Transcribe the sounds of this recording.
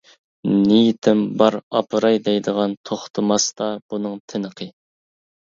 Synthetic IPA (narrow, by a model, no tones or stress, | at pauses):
nijit̪ʰɪmbɑɾɑpʰɨɾɑjd̪ɛjd̪əʁɑnt̪ʰoχt̪ʰɨmɑst̪ɑb̥unɨŋt̪ʰɪnəqʰə